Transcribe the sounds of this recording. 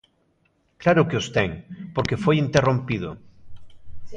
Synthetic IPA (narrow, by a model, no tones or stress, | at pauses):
klaɾʊkeost̪eŋpoɾkefojint̪erõmpið̞o̰